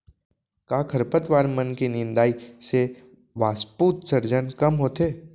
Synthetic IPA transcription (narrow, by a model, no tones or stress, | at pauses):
kaːkʰəɾpət̪ʋaːɾmənkinɪ̃nd̪aːise | ʋaːspuːt̪sɐɾd͡ʒənkɐmɦoːt̪eː